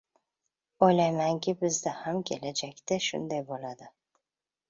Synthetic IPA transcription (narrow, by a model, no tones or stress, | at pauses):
ojlajmaŋkʲʰɪbɪzd̪ahamkʲʰe̞lad͡ʒakʲt̪ɪʃʊ̰nd̪ajbolad̪ɪ